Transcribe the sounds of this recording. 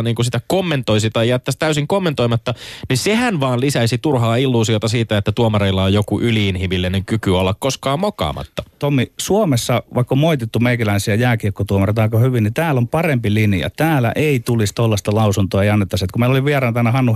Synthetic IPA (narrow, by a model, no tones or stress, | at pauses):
niːŋkusit̪ækomːent̪oisit̪ɑjjæt̪ːæst̪æysiŋkomːent̪oimɑt̪ːɑnisehænʋɑːnlisæisit̪urhɑːilːuːsiot̪ɑsiːt̪æet̪ːæt̪uomɑreilːɑojjokuʔyliinhimilːeneŋkykyolːɑkkoskɑːmmokɑ̰ːmɑ̰t̪ːɑ̥t̪omːisuomesːɑʋɑˑikːomoit̪et̪ːumeikælæisiæjæːkirkːot̪uomɑret̪ɑˑikɑhyʋinnit̪æːlːompɑrempiliniɑ̰t̪æːlæ̰ʔeit̪ulist̪olːɑst̪ɑlɑusunt̪oɑeiɑnːet̪ːɑset̪kumeiloliʋʋierɑnt̪ɑænːæhɑnːu